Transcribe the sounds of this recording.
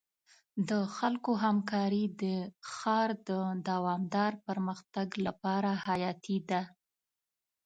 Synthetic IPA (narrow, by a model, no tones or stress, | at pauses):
d̪əxalkoɦamkɑɾid̪əxɑɾd̪əd̪awɑmd̪ɑɾpəɾməxt̪aɡlapɑɾahajɑt̪ʰid̪a